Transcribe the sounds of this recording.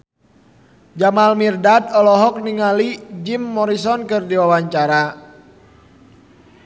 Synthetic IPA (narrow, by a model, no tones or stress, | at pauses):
d͡ʒamalmirdat̪ɔlɔɦɔk̚niŋalid͡ʒimːɔɾisɔnkɨrdiwawaɲt͡ʃaɾa